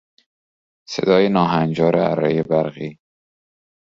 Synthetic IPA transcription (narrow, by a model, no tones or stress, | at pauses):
sḛd̪ɒːjenɒːɦænd͡ʒɒːɾeæ̰ɾːḛjebæɾɣiː